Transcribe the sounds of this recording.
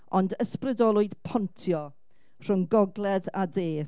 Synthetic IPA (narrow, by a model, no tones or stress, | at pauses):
ɔndəsprɪdɔlˠʊɨd̥pʰɔntʰjɔ | r̥ʊŋɡɔɡlˠɛðadeː